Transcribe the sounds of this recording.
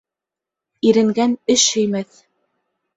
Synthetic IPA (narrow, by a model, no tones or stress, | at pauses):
iɾɘ̆ŋɡænɵʃhɵ̆jmæθ